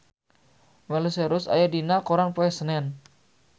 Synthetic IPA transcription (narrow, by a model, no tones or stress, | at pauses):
mɛluseɾʊsa̰jadinakoɾanpoɛsənɛn